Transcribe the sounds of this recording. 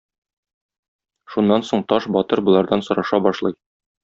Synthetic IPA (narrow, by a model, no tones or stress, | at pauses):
ʃunːɑnsoɴt̪ɒʃbɒt̪ɤɾbŏlˠɑɾd̪ɑnsŏɾɑʃɑbɒʃlˠɤj